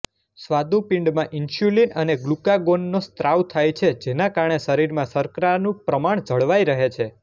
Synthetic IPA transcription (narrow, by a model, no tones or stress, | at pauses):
sʋad̪ũpɪ̃ɳɖmãʔinʃjulinəneɡlukaɡonːost̪ɾʔawt̪ʰajt͡ʃʰed͡ʒenakaɾɳeʃəɾiɾmãsəɾkɾanũpɾəmaɳd͡ʒəɭʋajɾəɦet͡ʃʰe